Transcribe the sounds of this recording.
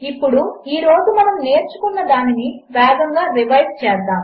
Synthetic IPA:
ipːuɽuiːɾo̞ːd͡ʒumɐnɐmne̞ːɾt͡ʃu̥kunːɐd̪aːniniʋɛːd̪ɐŋɡaːɾiʋɐjʈ̚t͡ʃɛːsd̪aːm

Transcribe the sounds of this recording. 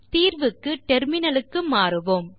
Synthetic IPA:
t̪iːɾʋɯkːɯʈɛɾmɪnɐlɯkːɯmaːɾɯʋoːm

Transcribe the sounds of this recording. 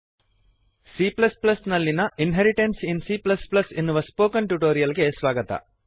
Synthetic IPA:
siːplɐsplɐsnɐlːinɐʔinɦeɾiʈensinsiːplɐsplɐsenːuʋɐspoːkɐnʈuʈoːɾijɐlɡe̞sʋaːɡɐt̪ɐ̰

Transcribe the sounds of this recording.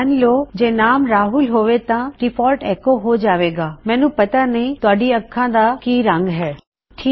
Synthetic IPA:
ənloːd͡ʒeːnaːmɾaːɦulɦoːʋet̪ãʈɪpʰɔːlʈɛːkoɦod͡ʒaːʋeːɡaːmɛ̃ːnũːpɐt̪anəɦĩt̪ʊaːɖiəkʰːãːd̪akiːɾə̃ŋɡɦɛː | ʈʰiː

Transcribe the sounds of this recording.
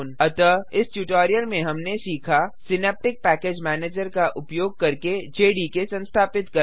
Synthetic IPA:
nɐt̪əɪsʈjuʈoːɾijəlmẽɦɐmnesiːkʰasɪnɛːp̚ʈɪk̚pɛːkeːd͡ʒmɛːneːd͡ʒəɾkaʔʊpjoːɡ̚kɐɾked͡ʒeːɖikesɐ̃nst̪ʰaːpɪt̪kɐ

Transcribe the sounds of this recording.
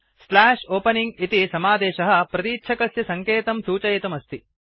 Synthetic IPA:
slaːʂoːpɐniŋɡit̪isɐmaːd̪ɛːʃɐɦɐ̆pɾɐt̪iːtːʃʰɐkɐsjɐsɐŋkeːt̪ɐmsuːt͡ʃɐjet̪ɐmɐst̪i

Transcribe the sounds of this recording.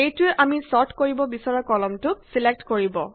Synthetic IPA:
ejtʊeʔamisɔɹtʰkoɹibɔbisɔɹɔkɔlɔmtʊsilek̚tkoɹibɔ

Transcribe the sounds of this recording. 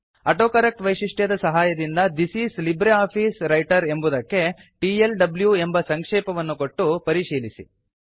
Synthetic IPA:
ɐʈoːkɐɾɐk̚ʈʋɐjʂiʂʈjɐd̪ɐsɐɦaːjɐd̪ind̪ɐd̪isiːslibɾeaːpʰiːsɾɐjʈɐɾe̞mbud̪ɐkːe̞ | ʈielɖɐbljue̞mbɐsɐŋkʂɛːpɐʋɐnːuko̞ʈːupɐɾiʂiːlisḭ

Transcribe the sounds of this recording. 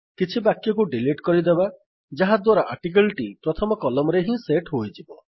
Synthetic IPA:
kit͡ʃʰibakjɔkuɖiliʈkɔɾid̪eba | d͡ʒaɦad̪waɾaʔaɾʈik̬elʈipɾɔt̪ʰɔmɔkɔlɔmɔɾeɦĩseʈɦojd͡ʒibɔ

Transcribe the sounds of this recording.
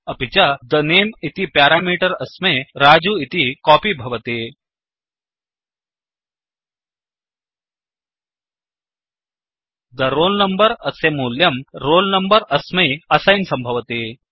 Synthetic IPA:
ɐpit͡ɕad̪ɐnemit̪ipjaːɾaːmiːʈəɾɐsmeɾaːd͡ʑuːit̪ikɔːpiːbʱɐʋɐt̪e | d̪ɐɾoːlnɐmbəɾɐsemuːljɐmɾoːlnəmbəɾɐsmeɐsajnsɐmbʱɐʋt̪eː

